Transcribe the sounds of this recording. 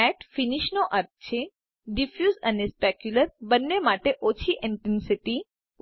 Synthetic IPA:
ɛʈfiniʃnoʔəɾt̪̚t͡ʃʰe | ɖifjuzənespɛkjuləɾbənːemaʈeʔot͡ʃʰiʔɪɳʈensiʈi

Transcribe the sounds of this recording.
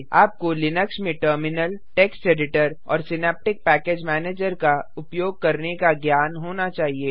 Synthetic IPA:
aːp̚kolɪnəksmẽʈəɾmɪnəlʈɛːksʈeːɖɪʈəɾɔ̰ːɾsɪnɛːp̚ʈɪk̚pɛːkeːd͡ʒmɛːneːd͡ʒəɾkaʊpjoːɡ̚kɐɾnekaɡjaːnɦoːnat͡ʃaːɦieː

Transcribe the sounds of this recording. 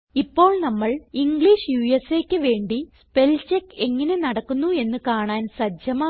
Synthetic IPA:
ipːo̞ːɭnɐmːɐɭiŋɡɭiʂjujeseːkʲːɨʋe̞ːɳɖispe̞lt͡ɕekːe̞ŋːɐne̞nɐɽɐkːunːue̞nːɨkaːɳaːnsɐd͡ʑjɐmaː

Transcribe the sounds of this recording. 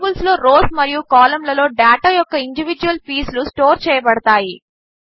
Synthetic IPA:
bulslo̞ːɾoːsmɐɾijukaːlɐmlɐlo̞ːɖaːʈajɔkːɐiɳɖiʋid͡ʒuʋɐlpiːslusʈoːɾt͡ʃɛːjɐbɐɽɐt̪aːji

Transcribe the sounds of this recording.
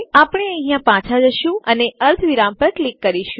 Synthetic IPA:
apɽ̃eə̃ɦĩjãpãt͡ʃʰad͡ʒəʃjũəneəɾt̪ʰʋiɾãmpəɾklikːəɾiʃũ

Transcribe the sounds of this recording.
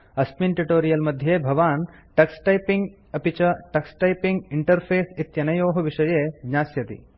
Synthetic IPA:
ɐspinʈuʈoːɾijɐlmɐd̪ʱjeːbʱɐʋaːnʈɐksʈɐjpiŋɡ | ɐpit͡ʃɐʈɐksʈɐjpiŋɡiɳʈɐɾpʰeːsit̪jɐnɐjoːɦɐʋiʃɐjeːɡɲaːsjɐt̪ḭ

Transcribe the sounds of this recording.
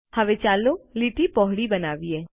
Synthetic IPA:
həʋet͡ʃaːluliʈipɔɦɽibənaːʋieː

